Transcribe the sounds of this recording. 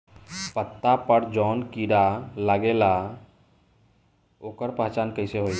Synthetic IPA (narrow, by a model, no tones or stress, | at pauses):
pət̪ːapəɾd͡ʒɔːnkiɾalaɡela | oːkəɾpəɦt͡ʃaːnkəɪseɦoi